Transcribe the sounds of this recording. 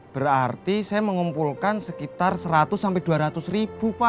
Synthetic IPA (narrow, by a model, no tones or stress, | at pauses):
b̥əɾart̪isaɛməŋumpulkansəkit̪arsəɾat̪ʊsːampɛd̪uaɾat̪usrib̥upa